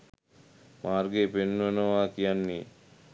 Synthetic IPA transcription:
maːɾɡeːpenːonoaːkijanːi

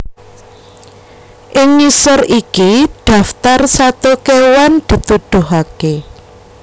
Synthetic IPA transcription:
ʔɪŋɲisɔrʔikiɖ̥ä̤ft̪arsat̪okewand̪̥i̤t̪ud̪̥ʊ̤ɦake

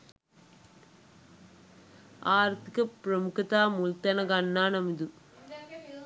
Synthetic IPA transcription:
aːɾt̪ikɐpɾɐmukɐt̪aːmult̪ɐnɐɡɐnːaːnɐmid̪u

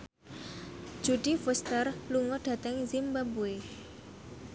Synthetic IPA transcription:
d̥ʒ̥ṳɖ̥i̤fust̪ərluŋɔɖ̥a̤t̪əŋzimbabue

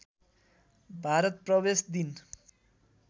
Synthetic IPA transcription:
bʱaɾʌt̪̚prʌbesd̪in

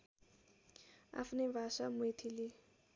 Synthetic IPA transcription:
a̰pʰnebʱasamjt̪ʰili

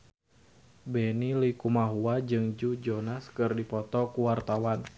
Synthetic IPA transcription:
bɛnilikumaɦuad͡ʒɨŋd͡ʒud͡ʒonaskɨrdipɔt̪ɔkuwart̪awan

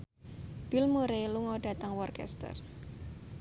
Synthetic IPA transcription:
b̥ilmuɾeluŋɔɖ̥ä̤t̪əŋwɔrkɛ̰st̪ə̰r

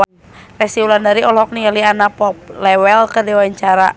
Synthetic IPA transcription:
n | rɛsiulandaɾiɔlɔk̚niŋalianapɔp̚lɛwɛlkədɛwaɲt͡ʃaɾa̰

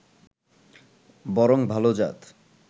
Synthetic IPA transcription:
bɔɾoŋbʱalod͡ʑa̰t̪

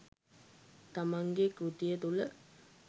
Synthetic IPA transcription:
t̪amaŋɡekɾut̪ijət̪ulə

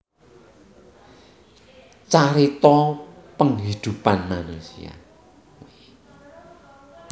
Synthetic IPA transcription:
t͡ʃaɾit̪ɔpəŋɦid̪̥ṳpanmanusḭa̰

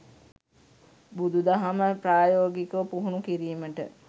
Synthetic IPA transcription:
bud̪ud̪aɦaməpɾaːjoːɡikəʋpuɦunukiɾiːməʈə̰

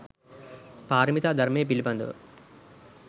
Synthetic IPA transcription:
paːɾɐmit̪aːd̪ʱɐɾmeːp̬ilipɐnd̪ṵ

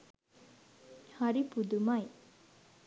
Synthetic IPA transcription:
haɾipud̪umɐj

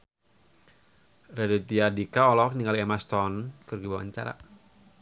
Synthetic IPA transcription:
rɛdɛt̪iadikaɔlɔkniŋɡaliɛmast̪ɔnkɨrɡibawa̰ɲt͡ʃa̰ɾa̰

